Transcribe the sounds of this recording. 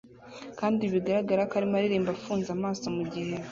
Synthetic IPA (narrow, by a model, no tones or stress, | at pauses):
kaːndiβiɡaɾaɡaɾakaɾimaɾiɾiːmbafuːnzamaːso̞muɟihe